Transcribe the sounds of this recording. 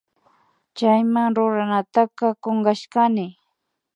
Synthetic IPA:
t͡ʃajmaŋɾʊɾanat̪akɑkoɴɢɑʃkanɪ

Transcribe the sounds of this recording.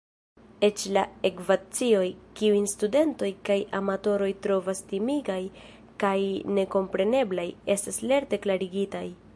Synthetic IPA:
e̞t͡ʃlae̞kvat͡sio̞jkiujnstude̞nto̞jkajʔamato̞ɾo̞jtɾo̞vastimiɡaj | kajne̞ko̞mpɾe̞ne̞blaje̞stasle̞ɾte̞klaɾiɡitaj

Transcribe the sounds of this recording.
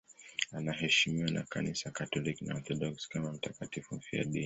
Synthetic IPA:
anaɦɛʃimiwana̰ka̰nisakatɔliknaɔθɔɗɔkskamam̩takatifum̩fia̰ɗi

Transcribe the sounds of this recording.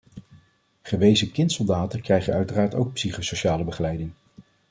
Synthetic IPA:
χəʋejzəkɪntsɔlˠdaːtəkrɛjχənœɥtəraːɹto̰wk̚psiχosoʃaːləbəχəlɛjdɪŋ

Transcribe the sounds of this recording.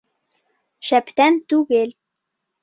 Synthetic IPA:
ʃæpt̪ænt̪ʉɣel

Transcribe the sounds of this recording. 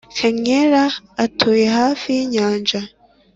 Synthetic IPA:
keɲeɾaːtʰojehaːfijiɲaːnd͡ʒa

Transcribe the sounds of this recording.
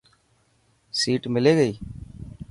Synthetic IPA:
siːʈmɪleːɡəiː

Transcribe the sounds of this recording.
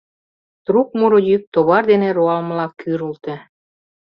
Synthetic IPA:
t̪ɾuk̚muɾojyk̚t̪oβɑrd̪enĕɾoɑlmlɑkːyɾult̪ĕ

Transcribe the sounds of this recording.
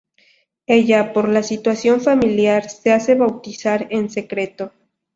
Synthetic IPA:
e̞ʝapo̞ɾlasit̪wasjo̞ɱfamiljaɾsease̞βawt̪isaɾe̞nse̞kɾe̞t̪o̞

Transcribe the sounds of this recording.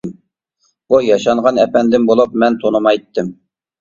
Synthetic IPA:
m | bujɑʃɑɴʁɑnɛpɛnd̪ɪmbolˠupmɛnt̪ʰonɨmɑjt̪ːɨm

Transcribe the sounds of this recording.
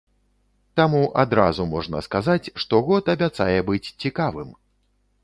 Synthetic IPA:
t̪amuʔad̪ɾa̰zumɔʐnɐ̰skazat͡sʲʂt̪ɔɣɔt̪ɐbʲat̪sa̰jɛbɨt͡sʲt͡sʲikavɨm

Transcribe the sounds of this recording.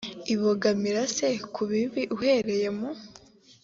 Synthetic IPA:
iβoɡamiɾasekʰuβiβiʔuhe̞ɾe̞je̞mo

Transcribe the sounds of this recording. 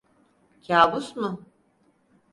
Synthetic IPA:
cʰaːbusmʊ

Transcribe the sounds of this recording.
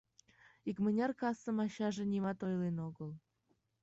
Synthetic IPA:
ikmə̆nʲɑrkɑsə̆mɑɕɑʒĕnʲimɑt̪ojlenoɣəlˠ

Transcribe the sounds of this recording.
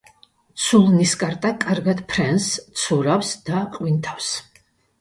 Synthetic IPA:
t̪sʰulˠniskʼaɾt̪ʼakʼaɾɡad̪̥pʰɾɛnst̪sʰuɾafsd̪̥aqʼwint̪ʰafs

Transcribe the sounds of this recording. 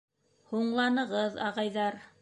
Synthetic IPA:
huɴlˠɑnɤ̆ʁɤðɑ̰ʁɑjðɑɾ

